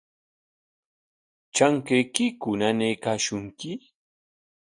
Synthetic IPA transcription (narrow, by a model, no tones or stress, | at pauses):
t͡ʃaŋkejkɪkʊnanejkaːʃʊŋkɪ